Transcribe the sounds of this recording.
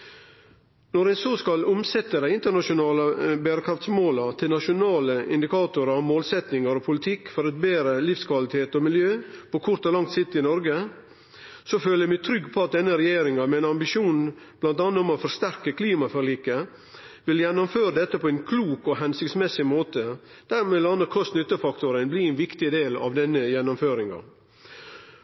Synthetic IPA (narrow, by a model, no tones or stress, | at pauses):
nɔɾæɪsoːskɑlʊmsɛt̪ːəd̪æɪɪnt̪əɳɑʂʊnɑːləbæːɾəkʰɾɑft̪smoːlɑt̪ʰɪlnɑʃʊnɑːləɪ̰nd̪ɪkʰɑːt̪ʊɾəmoːlsɛt̪nɪŋəɾɔpʰʊlɪt̪ʰɪkːfɔɾɛt̪̚beːɾəlɪfskʰʋɑlɪt̪ʰeːt̪ɔmɪljøːpɔkʰʊɾt̪ɔlɑŋt̪sɪt̪ːɪnɔɾɡə | sɔføːləmɪt̪ʰɾʏɡːpʰɔɑt̪̚d̪ɛnːəɾɛjeːɾɪŋɑmɛɛɪnɑmbɪʃuːnn | b̥lɑnt̪ɑːnːəɔmɔfɔɾst̪æɾkəkʰliːmɑfœɾɭiːkə | ʋɪljɛnːɔmføːɾəd̪ɛt̪ːəpʰɔɛnkʰluːkɔɦɛnsɪkt̪smɛsɪmoːt̪ə | d̪̥æɾmeːlɑnəɾkʰɔst̪nʏt̪ːəfɑkt̪ʊɾənbliːɛɪnʋɪkt̪ɪd̪eːlɑ̰ʋd̪ɛnːəjɛnːʊmføːɾɪŋɑ̰